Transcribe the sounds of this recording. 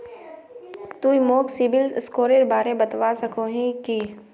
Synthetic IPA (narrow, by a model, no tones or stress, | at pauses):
t̪uimoːksɪbɪlskoːɾeɾbaːɾebɐt̪ʋaːsɐkʰoːɦĩki